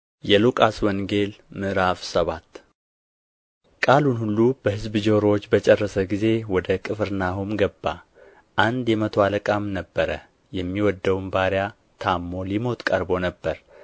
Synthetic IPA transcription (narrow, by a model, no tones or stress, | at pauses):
jɛlukʼaswɔŋɡe̞lmɨɾafsəβat̪ː | kʼalunhulːub̥əhɨzbɨd͡ʒoɾot͡ʃːbət͡ʃʼɛrːəsəɡize̞wɔd̪əkʼɨfɨɾnahumɡəbːa̰ | ʔand̪jɛmət̪ʰoaləkʼamnəbːəɾə | jɛmːiwɔd̪ːəwnbaɾja | t̪ʰamːo̞limo̞t̪kʼəɾbo̞nəbːəɾ